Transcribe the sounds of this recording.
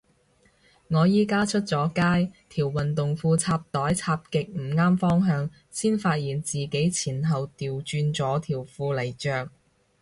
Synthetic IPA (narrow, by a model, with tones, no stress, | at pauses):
ŋɔː˨˧jiː˥kaː˥t͡ʃʰɵ˥t̚t͡sɔː˨˥kaː˥jt̪ʰiː˨˩wwɐ˨nt̪ʊ˨ŋfuː˧t͡sʰaː˧p̚t̪ɔː˨˥jt͡sʰaː˧p̚kɪ˨k̚m̩˨˩ŋaː˥mfɔː˥ŋɦœː˧ŋ | siː˥nfaː˧t̚jiː˨˩nt͡siː˨ke˨˥jt͡sʰiː˨˩nɦɐ˨wt̪iː˨wt͡ʃyː˧nt͡sɔː˨˥t̪ʰiː˨˩wfuː˧lɐ˨˩jt͡ʃœː˧k̚